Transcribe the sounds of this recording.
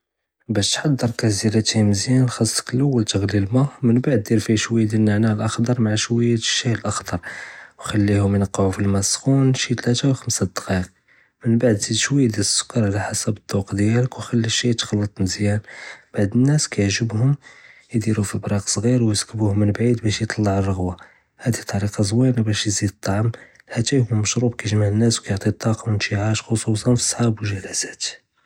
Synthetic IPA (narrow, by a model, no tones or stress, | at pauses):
bæʃt̪ħɑd̪ːəɾˤkæziɾæt̪himəzjænxɑsˤːə̥kəlʔəwːəlt̪əɣlilmæmənbaʕd̪̚ːiɾfiʃwəjːd̪lnːaʕnæəlʔɑxd̪ɑɾˤmaʕaʃwəjːæ̥ʃːiəlʔɑxd̪ɑɾˤwxælːihʊmjnɑqːʕufilmæsxunʃit̪læt̪æwxəmsæd̪qɑq | mənbaʕd̪zid̪ʃwəjːd̪iɾəsːʊ̥kːɑɾˤʕalæħasæbət̪ˤːuqd̪jæləkwxælːiʃit̪xɑlːət̪ˤməzjænb̥aʕd̪ənːæskæjəʕʒəbhʊmjd̪iɾufibɾˤɑqsˤɣiɾwjsə̥kːbuhʊmːənbʕid̪bæʃjt̪ˤɑlːɑʕərˤːəɣwa | hæd̪it̪ˤːɑɾiqɑzˤwinabæʃjzid̪ət̪ˤːɑʕm | hæt̪æjhʊmːəʃɾubkæjʒmaʕənːæswkæjoʕt̪ˤit̪ˤːɑqɑwənt̪iʕaʃxosˤusˤɑnfi̥sˤħabwʒælæzæt̪